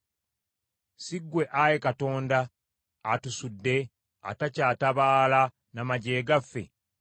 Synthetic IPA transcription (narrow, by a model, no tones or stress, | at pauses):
siɡːwe̞ʔajekato̞ːndaː | tusudːe̞ | a̰tacaːtaβaːla | namaɟe̞ːɡafːe̞̰